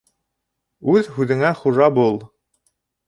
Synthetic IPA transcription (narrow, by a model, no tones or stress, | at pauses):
ʉðhʉðɘ̆ŋæχuʒɑbulˠ